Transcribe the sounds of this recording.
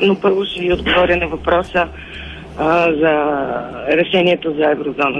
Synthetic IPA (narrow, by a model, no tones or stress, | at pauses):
nopɤɾvoʃɛɡiod̪ɡovɔɾʲənɐvɐpɾɔsə | zɐ | ɾɛʃɛniɛt̪ozɐɛvɾozɔnə